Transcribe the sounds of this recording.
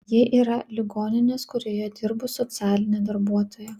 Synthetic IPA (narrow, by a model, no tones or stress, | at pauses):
jiɛʔiːɾɐlʲɪɡoːnʲɪnʲeːskʊɾʲoːjɛd̪ʲɪɾbʊsɔt̪sʲæːlʲɪnʲeːd̪ɐɾbuɔt̪oːjɛ